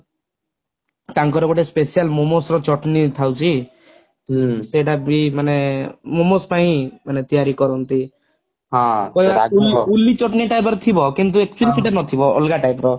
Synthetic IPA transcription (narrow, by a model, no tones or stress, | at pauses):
k̪aŋkɔɾɔbɔʈespesialmomosɾɔt͡ʃɔʈnit̪ʰawt͡ʃʰi | seʈabimanemomospaĩmanet̪ijaɾikɔɾɔnt̪i | ɦãpɔibaululːit͡ʃɔʈniʈajpɔɾɔt̪ʰibɔkint̪uek̚t͡ʃuɔlisiʈanɔt̪ʰibɔɔ̰lɡaʈajpɾɔ